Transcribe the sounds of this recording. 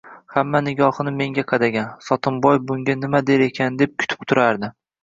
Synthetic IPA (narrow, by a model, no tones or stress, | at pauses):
hamːanɪɡʲɒhnɪme̞ŋɡʲaqʰɑd̪aɡʲansɒt̪ʰɪmbɒjbʊŋɡʲanɪmad̪e̞ɾe̞kʲʰand̪e̞p̚kʲʰʊ̥t̪ʰɪ̥pt̪ʰʊɾaɾd̪ɪ